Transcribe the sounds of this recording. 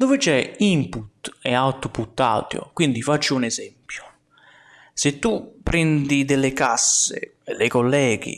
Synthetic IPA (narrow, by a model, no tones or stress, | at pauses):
d̪ovɪt͡ʃɛimput̪ɛawt̪oput̪ːa̰ːt̪jo̰kwind̪ifat͡ʃːuunɛzɛmpjʊ̥ | set̪ːupːɾɛnd̪id̪elːekasːḛ | lekolːɛːɡḭ